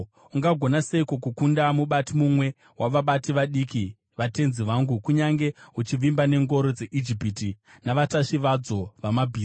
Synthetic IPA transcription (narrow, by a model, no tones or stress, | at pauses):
uŋɡaɡʱo̞naseikokukundamuɓatimumwe̞ | wʔaʋaɓatiʋaɗiki | ʋate̞nziʋaːŋɡukuɲaŋɡe̞ut͡ʃiʋimbane̞ŋɡo̞ɾo̞d͡ze̞ʔid͡ʒipiti | naʋataʂiʋad͡zo̞ʋamabʱiːs